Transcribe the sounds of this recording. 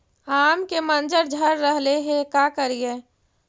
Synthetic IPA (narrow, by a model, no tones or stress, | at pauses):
aːmkemənd͡ʒəɾd͡ʒʱəɾːəɦleɦekakəɾie